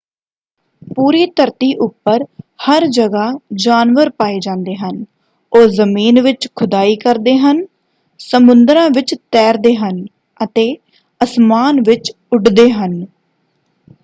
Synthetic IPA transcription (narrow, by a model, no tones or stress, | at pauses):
puːɾiːt̪əɾt̪iːʔʊpːəɾhəɾd͡ʒəɡaːd͡ʒaːnʋəɾpaːiːd͡ʒãːnd̪eːɦən | oːzəmiːnʋɪt͡ʃkʰʊd̪aːiːkəɾd̪eːɦən | səmʊ̃nd̪ɾãːʋɪt͡ʃt̪ɛːɾd̪eːɦən | ət̪eː | əsmaːnʋɪt͡ʃ | ʊʈd̪eːɦən